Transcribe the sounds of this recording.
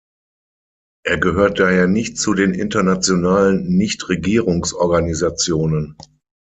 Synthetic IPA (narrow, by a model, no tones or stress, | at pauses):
ʔeːɐɡəɦøːɐt̚d̥aːheːɐnɪçtt͡sudeːnʔɪ̰ntɐnat͡sjonaːlənːɪçtʁeɡiːʁʊŋsʔɔɐɡanizat͡sjoːnən